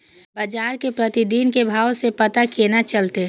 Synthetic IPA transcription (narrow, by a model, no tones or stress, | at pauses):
bəd͡ʒaːɾkepɾət̪id̪iːnkebʱaːosepət̪akenat͡ʃəlt̪e